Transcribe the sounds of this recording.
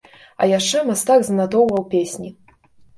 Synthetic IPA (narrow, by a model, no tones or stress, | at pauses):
ɐ̰jaʂt͡ʂɛmast̪akzɐnat̪ɔwvɐwpʲesʲnʲi